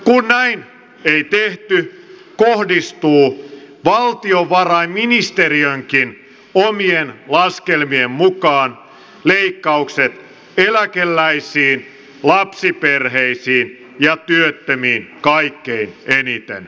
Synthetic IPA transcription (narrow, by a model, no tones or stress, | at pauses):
kunnæin | eit̪eht̪y | kohdist̪uːʋɑlt̪ioʋɑrɑimminist̪eriøŋkin | omienlɑskelmiemmukɑːn | leikːɑukset̪ | elækelːæisiːn | lɑpsiperheisiːn | jɑt̪yøt̪ːømiːnkɑikːeinenit̪ḛn